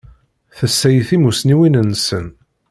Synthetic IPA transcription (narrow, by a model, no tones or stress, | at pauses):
θəsːæjəθimusniwinənːsən